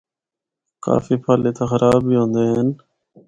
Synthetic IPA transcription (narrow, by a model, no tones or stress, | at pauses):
ka̰ːfiːpʰaːleːt̪aːxəɾʔaːbbiːɦõːnd̪eːɦen